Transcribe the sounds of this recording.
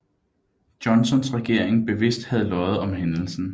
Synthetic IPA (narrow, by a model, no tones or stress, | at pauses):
d̥jɒ̽nsɒ̽nsʁɛɡ̥e̝ɐ̰e̝ŋb̥e̝ʋe̝sd̥hæð̞̩ˠlɒ̽ɪð̞̩ˠɒ̽mɦenl̩sn̩